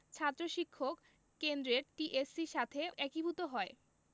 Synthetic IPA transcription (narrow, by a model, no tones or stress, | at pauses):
t͡ɕʰat̪ːɾoʃikʰːokː | end̪ɾeɾʈiʔesiʃat̪ʰeɛkibʱut̪oɦɔe